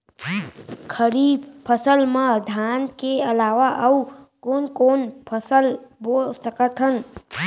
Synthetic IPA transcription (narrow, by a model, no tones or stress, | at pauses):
kʰəɾipʰəsəlmãd̪ʱankeəlaʋaʔəukonkonpʰəsəlbosəkət̪ʰən